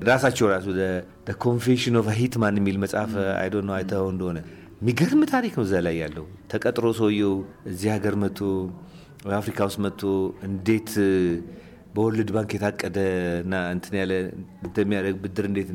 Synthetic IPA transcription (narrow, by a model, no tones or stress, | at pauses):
ɾasat͡ʃːɛwɾasud̪ə | d̪əkʰo̞nfeʃɨnofaɦit̪manːɛmːilməsʼafa̰jdonːəwajt̪ʰəhoɨnd̪əhonə | mːiɡəɾmɨt̪ʰaɾiknəwzalajːalːəhut̪ʰəkʼət̪ʼɾoswɔjːɛw | ɨzːihaɡəɾmət̪ʰːo | wjafɾikʰawst̪mət̪ʰːoɨnd̪e̞t̪ | bəwɔlːɨd̪baŋkjɛt̪ʰakʼːəd̪ənːaɨnt̪ʰɨnjalːəɨnt̪əmːijad̪əɡ̚bɨd̪ɨɾɨnd̪e̞t̪n